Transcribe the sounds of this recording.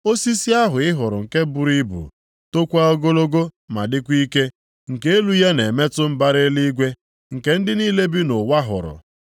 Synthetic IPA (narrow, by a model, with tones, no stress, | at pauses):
o˦si˦si˦a˦ɦʊ˨ɪ˦ɦʊ˨ɾʊ̰˨ŋ̩˨ke˦bʊ˦ɾi˦bṵ˨ | to˦kʷa˦ɔ˦ɡo˦lo˦ɡo˦ma̰˨dɪ˦kʷi˦ke˦ | ŋ̩˨ke˦e˦lu˦ja˦ne˨me˦tʊ˦m̩˦ba˦ɾe˦li˦ɡʷe˦ | ŋ̩˨ke˦n̩˦dɪ˦niː˦le˦bi˦no˨wa˦ɦʊ̰˨ɾʊ̰˨